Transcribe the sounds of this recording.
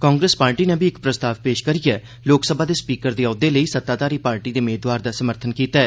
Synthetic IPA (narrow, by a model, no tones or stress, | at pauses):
kãːŋɡɾeːspaːɾʈiːnẽːbʱiɪkpɾəst̪aːʋpeːʃkəɾijɛː | loːksəbʱaːd̪eːspiːkəɾd̪eːɔːʊd̪eːləiːsət̪ːaːt̪aːɾiːpaːɾʈiːd̪eːmeːd̪waːɾd̪aːsəməɾt̪ʰənkiːt̪aɛː